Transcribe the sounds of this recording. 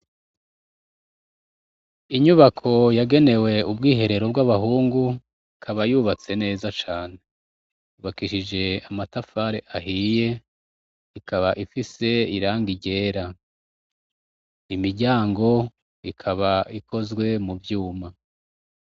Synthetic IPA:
iɲuβakʰo̞jaɡe̞ne̞we̞ubɡiːɦe̞ɾe̞ɾo̞b̚ɡaβaɦuːŋɡu | ikʰaβajuβat͡se̞ne̞ːzat͡ʃaːne̞ | uβakiʃid͡ʒe̞amatafaːɾeʔaɦiːje̞ | ikaβaʔifise̞iɾaːŋɡiɟe̞ːɾa | imiɟaːŋɡo̞ | ikʰaβaikʰo̞zɡwe̞muvjuːma

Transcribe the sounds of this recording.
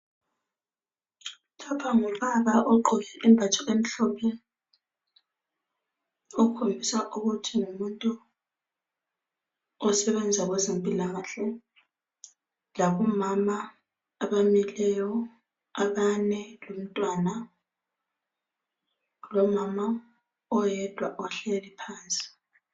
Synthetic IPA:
lapʰaŋuβaɣaʔɔǃʱɔɣɛʔimbʱat͡ʃʼaʔemiɬɔpʰɛ | ɔkʰombʱisaʔuɣutʰiŋumuntʼu | ɔsɛβɛnd͡zʱaɣwɛzempʼilaɣaɬɛ | laβɔmamaː | βamilɛjɔ | aβanɛlom̩tʼwana | lɔmama | ɔjɛd̥ʱwaʔɔɬelipʰaːnsʼi̥

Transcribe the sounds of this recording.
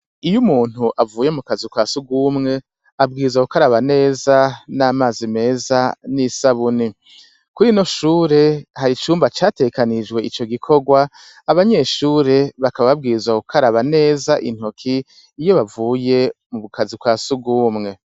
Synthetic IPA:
ijumuːn̥uʔavuːjemukazikwaːsubɡuːmŋe̞ | ab̚ɡiːzwakukaɾaβane̞ːzanaːmaːzime̞ːzanisaβuni | kuɾino̞ʃuːɾe̞haɾit͡ʃuːmbat͡ʃaːte̞ɡekanid͡ʒɡwe̞it͡ʃo̞ɡikʰo̞ɡwaː | βaɲe̞ʃuːɾe̞βakaβaβab̚ɡiːzwakukʰaɾaβane̞ːzaʔḭn̥hokʰiː | jo̞βavuːje̞muβukazikwaːsub̚ɡuːmŋe̞

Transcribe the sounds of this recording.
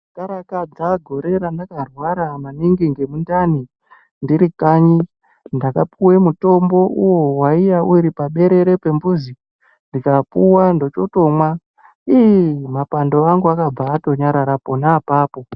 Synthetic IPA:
kaɾakad͡zaɡʱo̞ɾe̞ɾandakarwaɾamaniŋɡiŋɡemundani | ndiɾikaɲi | ndakapuwe̞muto̞mbo̞ʔuwo̞waijauɾipaɓe̞ɾe̞ɾe̞pe̞mbuzi | ndikapuwando̞t͡ʃo̞to̞mwa | iimapando̞aŋɡuakab͡vaːto̞ɲaɾaɾapo̞naːpaːpo̞

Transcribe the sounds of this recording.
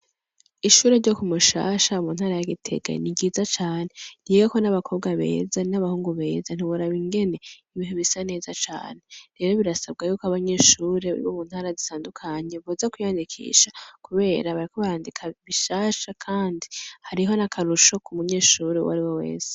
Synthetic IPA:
iʃuːɾeɾɟo̞kumuʃa̰ːʃaumuːnhaːɾajaɡitʰe̞̰ɡa̰niɟiːzat͡ʃaːne̞n̥ijoko̞naβakʰo̞β̚ɡaβe̞̰ːzanaβahuːŋɡuβe̞ːzan̥iβuɾaβiŋɡe̞ne̞iβiːhuβisane̞ːzat͡ʃa̰ːne̞ɾe̞ɾo̞βiɾasab̚ɡajuːkaβaɲe̞ːʃuɾeβṵɾḭβomuːnhaːɾazitaːndukʰaɲeβuzakujaːndikʰḭʃḁkuβe̞ːɾaβaɾiko̞βaɾaːndikʰaβiʃaːʃakʰaːndihaɾiɦo̞nakʰaɾuʃo̞kumuɲe̞ːʃuɾewa̰ɾiwo̞we̞̰ːse̥

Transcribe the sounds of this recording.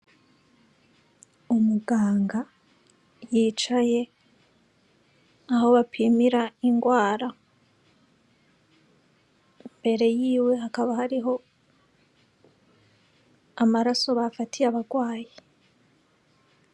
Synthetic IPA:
umuɡaːŋɡa | jiːt͡ʃaje̞ | aho̞βapʰimiɾaiŋɡwaːɾa | mbe̞ɾe̞jiːwe̞hakaβahaɾiɦo̞ | amaɾaso̞βafatʰiaβaɡwaːje

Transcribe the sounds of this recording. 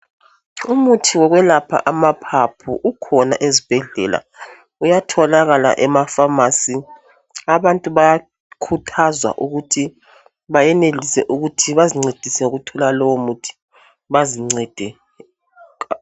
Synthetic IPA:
umutʰiwɔɣwɛlapʰa̰ʔamapʰapʰṵʔukʰɔna̰ʔezib̥ʱɛɮɛla̰ | ujatʰɔlaɣala̰ʔɛmafamasi | aβantʼuβaja | kʰutʰazwa̰ʔuɣutʰi | βajɛnelisɛʔuɣutʰiβaziŋ͡ǀed̥ʱisɛuɣutʰɔlalɔwɔmutʰi̥ | βaziŋ͡ǀɛd̥ʱɛ

